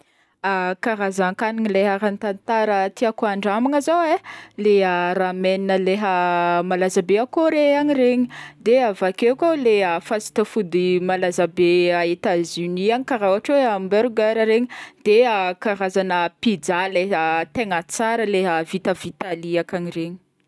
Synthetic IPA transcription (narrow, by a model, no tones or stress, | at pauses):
akaɾazaŋkaniŋileɦaɾant̪ant̪aɾət̪iakoaɳɖ͡ʐamaŋəzaweleərameninəleɦəmalazabeakoɾeaŋiɾeɲi̥d̪eavakekoleəfasi̥t̪əfud̪imalazabeaet̪azyniaŋikaɾawaʈ͡ʂweambɛɾɡəɾaɾeɲid̪̥eakaɾazanəpid͡zaleət̪eŋət͡saɾəleɦəvit̪əvit̪aliakanireɲi̥